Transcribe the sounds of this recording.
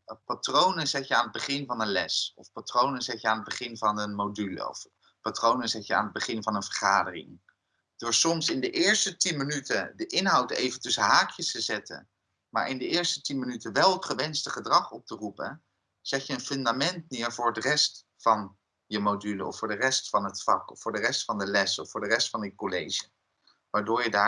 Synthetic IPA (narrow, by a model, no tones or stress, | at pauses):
patrownəzɛtjəaːnəd̚bəχɪnvɑnənlɛsɔfpatrownənzɛtjəaːnɦəd̚bəχɪnvɑnənmowdylə̰ɔ̰f | patrownənzɛtjəa̰ːnɦəd̚bəχɪnvɑnənvəɹχaːdərɪ̰ŋ | d̥ʊːɹsɔmsɪndəʔɪːɹstətinmənytədəʔɪnɦɑwtḛjvəntɵsəɦaːkʰjəstəzɛtə̰n | ma̰ːɹʔɪndəɪːɹstətinmənytəʋɛlˠətχəʋɛnstəχədrɑχɔp̚tərupə̰ | z̥ɛtjəənfʏndamɛnt̚nɪːɹvʊːɹətrɛst | fɑn | jəmodylə̰ɔ̰fʊːɹdərɛstfɑnɦətfɑ̰kɔfʊːɹdərɛstfɑndəlɛsɔfʊːɹdərɛstfɑnjəkolejʒə | ʋaːɹdʊːɹjədaː